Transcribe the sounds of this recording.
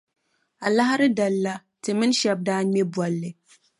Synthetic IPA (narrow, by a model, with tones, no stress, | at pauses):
a˨la˦ɦa˦ɾɨ˦da˨lːa˦ | tɨ˨mɨ˦n˦ʃɛ˦b̚daː˦ɲɛ˦bwɔ˨lːɨ˨